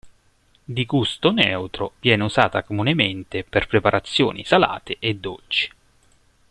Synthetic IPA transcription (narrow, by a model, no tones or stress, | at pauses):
d̪iɡust̪onɛwt̪ɾovjɛːneuza̰ːt̪akomunement̪eperpɾepaɾʔat̪sːjoːnḭsala̰ːt̪eʔed̪ːo̰lt͡ʃi̥